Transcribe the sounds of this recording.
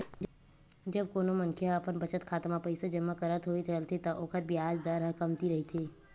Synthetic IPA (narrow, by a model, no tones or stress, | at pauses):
d͡ʒɐb̚koːnomɐ̃ŋkʰjaɐpənbɐt͡ʃət̪kʰaːt̪mapɐɪsed͡ʒɐmːakɐɾət̪ɦoet͡ʃəlt̪et̪ɐʔoːkəɾbʱiaːd͡ʒd̪əɾɦkɐmt̪iɾɐɦit̪ʰeː